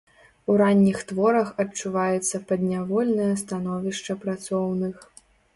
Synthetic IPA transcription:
uɾanʲːixt̪vɔɾɐxɐt͡ʂːuvajɛt̪sːɐpɐd̪nʲavɔlʲnɨjɐst̪anɔvʲiʂt͡ʂɐpɾat̪sɔwnɨx

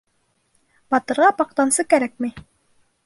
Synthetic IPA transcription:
b̥ɑt̪ɤ̆ɾʁɑpɑq̚t̪ɑnsɤkæɾæk̚mi

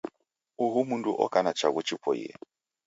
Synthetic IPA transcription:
uɦumunduʔɔ̰kʼanat͡ʃaɣut͡ʃipʰɔjɛ̰

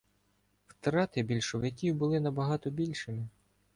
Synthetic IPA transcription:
wt̪ɾɑt̪ɪbʲilʲʃɔwjɐkʲiwbʊlˠɪnɐbɐɦɑt̪ɔbʲilʲʃɪmɪ

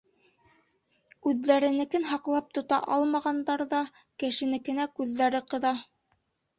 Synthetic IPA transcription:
ʉðːæɾɘ̆nɘ̆kɘnɦɑqlˠɑp̚t̪ŏt̪ɑ̰ʔɑlˠmɑʁɑnd̪ɑɾðɑ | kɘ̆ʃɘ̆nɘ̆kɘ̆nækʉðːæɾɘqɤ̆ðɑ

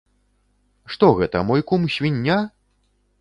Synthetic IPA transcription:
ʂt̪ɔɣɛt̪ɐmɔjkumɕʲvʲinʲːa

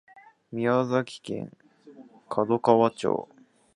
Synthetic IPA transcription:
mʲiazakʲi̥kẽ̞̰ŋ | kʰad̪okaβat͡ɕo̰ː

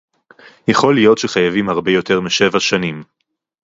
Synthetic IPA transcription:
jaχo̞lijo̞tʃeχajavimhaʁbe̞jo̞tʰe̞ʁmiʃe̞vaʃanim

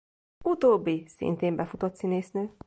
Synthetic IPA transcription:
ut̪oːbːisḭnt̪eːmbɛfut̪ot̪sineːsnøː

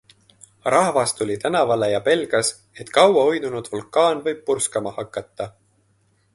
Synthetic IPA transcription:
rɑhvɑst̪ulʲit̪ænɑvɑlejɑpe̞lɡ̥ɑs | e̞t̪ːˑkɑwɑojnunud̪̥vulkˑɑːnvɤjb̥̚purskɑmɑhɑkːˑɑt̪ːɑ

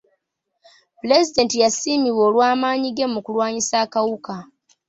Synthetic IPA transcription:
pile̞zide̞ːntijasimiβwo̞ːlwaːmaːɲiɡe̞mukulwaːɲisaːkawuka

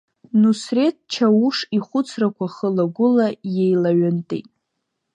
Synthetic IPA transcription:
nusre̞t̚ʰt͡ʃʰauʂiχʷʊt͡sʰrakʷʰaχəlaɡʷʊlaje̞jlaɥantʼḛjtʼ

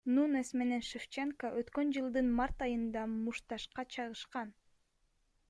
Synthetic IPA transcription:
nunesme̞ne̞nʃift͡ʃeŋkəʔøt̪kø̞nd͡ʒɯlˠd̪ɯnmɑɾt̪ɑjɯnd̪ɑmuʃt̪ɑʃqɑt͡ʃʰɑʁɯʃqɑn

